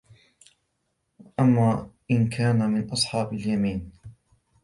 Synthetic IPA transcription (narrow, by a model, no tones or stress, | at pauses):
ʔamːaːʔɪnkʰaːnamɪnʔɑsˤħɑːbaljamiːn